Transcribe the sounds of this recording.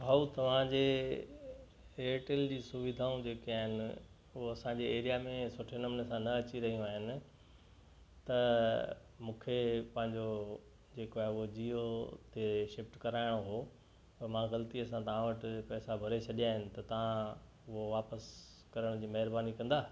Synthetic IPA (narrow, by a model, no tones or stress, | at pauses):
ɦɐut̪ɐʋ̤ãd͡ʑeː | eːʈeld͡ʑiːsʊʋɪd̪ʱaːũd͡ʑeːkiaːɦɪnɪ | ʊɦoɐsãd͡ʑeeːɾijamẽsʊʈʰenɐmnesãnɐɐt͡ɕiɾɐɦijũaːɦɪnɪ̆ | t̪ɐ | mũːkʰepɐ̃ɦɪ̃ɲd͡ʑo | d͡ʑeːkoaːɦeʊɦod͡ʑiːot̪eʃɪpʈkɐɾaːɪɽ̃oɦoː | pɐmãːɣɐlət̪iɐsãt̪ɐʋ̤ãʋɐʈɪ̆pɛːsabʱɐɾet͡ɕʰɐɗijaːɦɪnɪ̆t̪ɐt̪ɐʋ̤ã | ʊɦoʋaːpəs | kɐɾəɽ̃d͡ʑiːmɐɦɪɾbaːnikɐ̃nd̪aː